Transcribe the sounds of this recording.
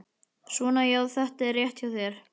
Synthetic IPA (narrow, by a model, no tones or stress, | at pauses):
svɔnajawðθɛht̪ɛrjɛht̪jawθjɛɾ̥